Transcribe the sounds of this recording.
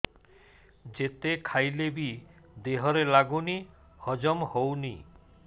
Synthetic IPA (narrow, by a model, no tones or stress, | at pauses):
d͡ʒet̪ekʰajlebi | d̪eɦɔɾelaɡuni | hɔd͡ʒɔmhowni